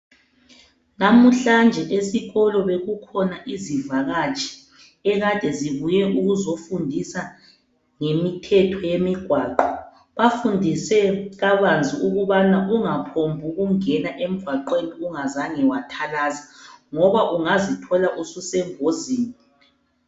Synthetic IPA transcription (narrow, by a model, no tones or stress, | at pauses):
namuɬand͡ʒʱɛʔesiɣɔlɔβeɣukʰɔnaʔizivaɣat͡ʃʰʼi̥ | ɛɣad̥ʱɛziβujɛʔuɣuzofundʱisa | ŋemitʰɛtʰɔjemiɡ̥ʱwaːǃɔ | βafundʱisɛɣaβand͡zʱiuɣuβanaʔuŋapʰombʱuɣuŋɛnaʔem̩ɡ̥ʱwaǃweniuŋazaŋɛwatʰalaːzaŋɔβaʔuŋazitʰɔlaʔususɛŋoziːni